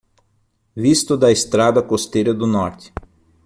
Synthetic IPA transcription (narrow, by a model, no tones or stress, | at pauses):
vist̪ʊd̪ɐest̪ɾad̪ɐkost̪ejɾɐd̪ʊnɔɾt̪ɪ̥